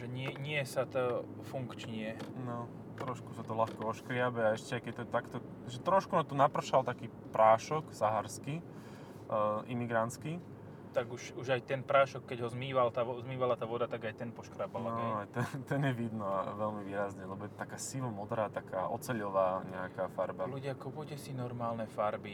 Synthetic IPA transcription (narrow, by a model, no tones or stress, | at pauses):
ʒɛɲɪɛɲɪɛsat̪ɔ | fuŋkt͡ʃɲɪɛnɔ | t̪ɾɔʃkusat̪ɔlaxkɔɔʃkɾɪabɛaɛʃcɛaɪkɛc̚t̪ɔɛt̪akt̪ɔ | ʒɛt̪ɾɔʃkunat̪ɔnapr̩ʃalt̪akiː | pɾaːʃɔksaɦaɾski | ʔimiɡɾant͡ski | t̪aɡuʃuʒajt̪ɛnpɾaːʃɔkːɛɟɦɔzmiːʋalt̪aːɔzmiːʋalat̪aːʋɔd̪at̪aɡajt̪ɛnpɔʃkɾaːbalanat̪ɛnt̪ɛnjɛʋid̪nɔa̰ʋɛlmiʋiːɾazɲɛlɛbɔjɛt̪ɔt̪akaːsilɔmɔd̪ɾaːt̪aka̰ːʔɔ̰t͡sɛʎɔʋaːɲɛakaːfaɾbaluɟɪakɔʋɔɟɛsinɔɾmaːlnɛfaɾbi